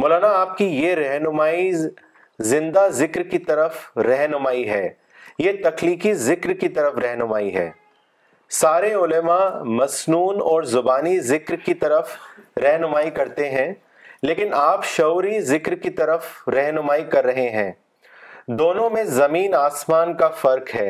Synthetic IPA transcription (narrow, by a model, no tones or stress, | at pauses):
mɔːlaːnaːp̚kijeɾɛɦnʊmaːi | zɪ̃nd̪azɪkɾkit̪ɐɾəfɾɛɦnʊmaːiɦɛː | jet̪ɐkliːkizɪkɾkit̪ɐɾəfɾɛɦnʊmaːiɦɛ̰ː | saːɾeʊləmamɐsnuːnɔːɾzʊbaːnizɪkɾkit̪ɐɾəfɾɛɦnʊmaːikɐɾt̪eɦɛ̃ | leːkɪnaːpʃɐʊɾizɪkɾkit̪ɐɾəfɾɛɦnʊmaːikɐɾːɐɦeɦɛ̃ː | d̪oːnõmẽzɐmiːnaːsmaːnkafɐɾkɦɛː